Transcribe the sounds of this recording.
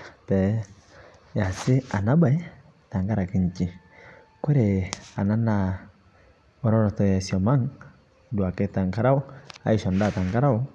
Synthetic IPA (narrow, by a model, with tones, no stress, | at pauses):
tɛ˨ | ja˨sɪ˦a˨na˦ba˨i˦ | ta˨ŋɡa˦ɾa˨ki˨ɲ˨t͡ʃi˨ | kwe˦ɾe˨a˨na˦na˨ | ɔ˦ɾɔ˦ɾɔ˨tɔ˨ja˨sjɔ˨ma˦ŋ | dwa˨ke˦ta˨ŋka˦ɾa˦ɔ˦a̰˨i˦ʃɔ˨nda˦˨ta˨ŋɡa˦ɾa˦ɔ˦